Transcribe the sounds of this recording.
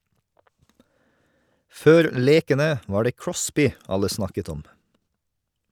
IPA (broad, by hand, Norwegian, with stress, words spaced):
ˈføːɾ ˈleːkənə ˈʋɑː ˈɖeː ˈkɹɔspɪ ˈɑlə ˈsnɑkət ˈɔm